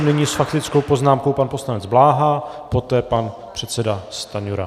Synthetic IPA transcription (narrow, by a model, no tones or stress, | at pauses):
nɪɲɪsfakt̪ɪt͡sko̞wpo̞znaːmko̞wpanpo̞slanɛd͡zblaːɦaːpo̞t̪ɛːpan | pr̥ɛt̪sɛdast̪aɲuɾa̰